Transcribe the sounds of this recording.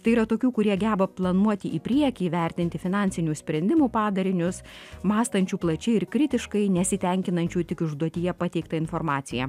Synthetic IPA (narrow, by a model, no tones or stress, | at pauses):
t̪ɐɪiːɾɐt̪oːkʲuːkʊɾʲiɛɡʲæːbɐplˠɐnuɔt̪ʲɪʔiːpʲɾʲiɛkʲiːʋʲɛɾʲt̪ʲɪnʲt̪ʲɪfʲɪnɑnʲsʲɪnʲuːsʲpʲɾʲɛnd̪ʲɪmuːpɑːd̪ɐɾʲɪnʲʊsmɑːst̪ɐnʲt͡ʃʲuːplˠɐt͡ʃʲɛɪɪɾkɾʲɪt̪ʲɪʃkɐɪnʲɛsʲɪt̪ʲɛŋʲkʲɪnɐnʲt͡ʃʲuːt̪ʲɪkʊʒd̪uɔt̪ʲɪjɛpɑt̪ʲɛɪkt̪ɐɪnfɔɾmɑːt̪sʲɪjɛ